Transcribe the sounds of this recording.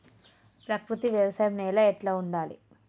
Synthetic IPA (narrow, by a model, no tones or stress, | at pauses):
pɾɐkɾut̪iʋjɐʋɐsɐjɐmnɛːlaeʈlaːuɳɖaːlḭ